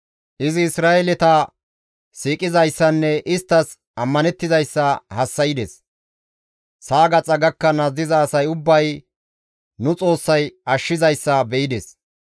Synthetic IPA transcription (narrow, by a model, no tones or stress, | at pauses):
ʔɪzɪːsɾaːɛlɛt̪ɐ | siːkʼɪzɐjsːɐnːɛʔɪst̪ːɐs | ɐmːɐnɛt̪ːɪzɐjsːɐhɐsːɐjɪd̪ɛs | saːɡɐt͡sʼɐɡɐkːɐnɐzɪzɐːsɐjʊbːɐj | nʊt͡sʼo̞ːsːɐjɐʃːɪzɐjsːɐbɛɪd̪ɛs